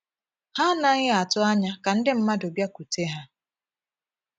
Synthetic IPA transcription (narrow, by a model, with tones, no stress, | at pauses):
ha˦na˦ɣɪ˦a˨tʊ˦a˦ɲa˦ka˨n̩˦dɪ˦m̩˦ma˦do˨bja˦ku˨te˦ɦa˦